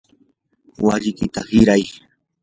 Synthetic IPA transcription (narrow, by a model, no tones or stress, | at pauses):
waʎɪkɪt̪ahɪɾaj